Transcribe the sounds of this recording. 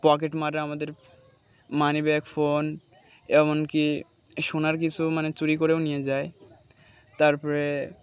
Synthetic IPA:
pɔk̬eʈmaɾaamad̪eɾ | manibɛɛkfon | ɛmonki | ʃonaɾk̬it͡ɕʰumanet͡ɕuɾikoɾewnijed͡ʑae | t̪aɾpɔɾe

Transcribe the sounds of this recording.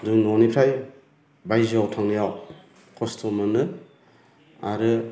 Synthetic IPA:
duŋnonipʰɾaj | bajziawtʰaŋnijaw | kʰɔstʰomɯnɯ | a̰ɾɯ

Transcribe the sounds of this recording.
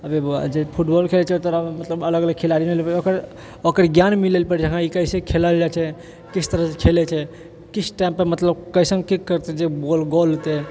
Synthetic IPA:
əbed͡ʒepʰuʈbɔlkʰelet͡ʃʰɛot̪əɾəmət̪ləbələɡələɡ̚kʰelaɾimilepəokəɾ | okəɾɡjanmilelpəɾd͡ʒəkãikəɪsekʰelald͡ʒat͡ʃʰɛ | kit͡ʃʰt̪əɾəsekʰelet͡ʃʰɛ | kit͡ʃʰʈaɪmpːəɾmət̪ləbkəɪsə̃ŋkikːəɾt̪ed͡ʒebolɡolot̪e

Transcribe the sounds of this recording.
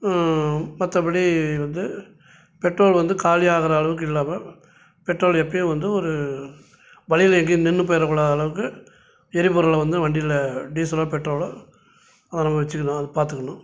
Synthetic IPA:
mɐt̪ːɐpɐɽiʋɐnd̪ɯ | pɛʈroːlʋɐnd̪ɯkaːlɪjaːɣɐɾɐɐɭɐʋɯk̬ːɯɪlːaːmɐ | pɛʈɾoːlɛpːɐjʊ̃ʋɐnd̪ɯɔɾɯ | ʋɐɭɪjɪlɛŋɡinɛnːɯpɐjɐɾɐkːʊːɽaːðɐɐɭɐʋɯkːɯ | ɛɾɪpɔɾɐlɐʋɐnd̪ɯʋɐɳɖɪlɐɖiːsɐloːpɛʈːɾoːɭo | ɐðɐ̃ːnɐmːɐʋɛt͡ʃːɯkːɐnãːɐðɯpaːɾt̪ɯkːɐɳʊ̃

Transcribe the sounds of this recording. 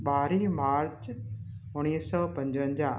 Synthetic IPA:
ɓaːɾimaːɾt͡ɕ | ʊɽ̃iːsɔpɐ̃ɲd͡ʑʋə̃ɲd͡ʑaː

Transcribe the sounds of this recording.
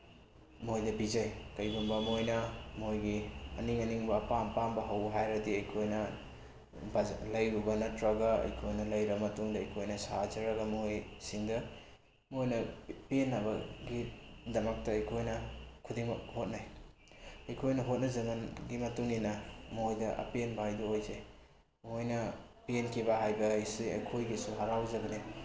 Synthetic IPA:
mojdɐbizajkɐjɡumbɐmojnɐmojɡiɐniŋɐniŋbɐːpampambɐɦɐwɦajɾɐdiɐjkʰojnɐ | balɐjuɡɐnɐtɾaɡaɐ̰jkʰojnɐlɐjɾɐmɐtuŋdɐːjkʰojnɐsazɐɾɐɡɐmojsiŋdɐ | mojnɐpenːabɐɡidɐmak̚tɐɐjkʰojnɐkʰudiŋmɐk̚hot̚naj | ɐjkʰojnɐɦot̚nɐzɐmanɡimɐtuŋinɐmuojdɐʔɐ̰penbajduojze | muɦojnɐpenkʰibaɦajbɐjsiɐ̰jkʰojɡisuɦaɾawzɐɡɐne

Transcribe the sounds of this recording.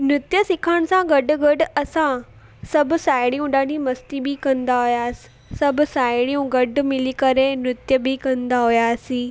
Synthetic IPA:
nʊt̪jəsɪkʰəɽ̃̆sãɡɐɖʊ̆ɡɐɖʊ̆ɐsã | sɐbʱʊ̆saːɪɽ̃ijũɗaːɽimɐst̪ibɪkɐ̃nd̪aɦujaːsɪ̥ | sɐbʱʊ̆saːɪɽijũɡɐɖʊ̆mɪlikɐɾenʊt̪jəbɪkɐ̃nd̪aɦʊjaːsiː

